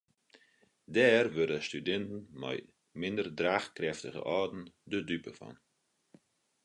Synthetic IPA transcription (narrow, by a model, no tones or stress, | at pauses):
dɛːɾvøɾəstydɛntn̩ma̰j | mɪndərdɾaːxkɾɛftəɣə̰ʔɔːdn̩dədypəfɔ̰n